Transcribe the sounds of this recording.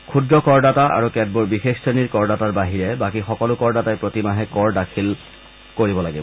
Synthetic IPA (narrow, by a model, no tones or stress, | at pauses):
kʰudɹɔkɔɹdataʔa̰ɹukɛd̚buɹbixexseniɹkɔɹdataɹbaɦiɹɛbakixɔkɔlʊkɔɹdatajpɹotimaɦɛkɔɹdakʰil | koɹibɔlaɡibɔ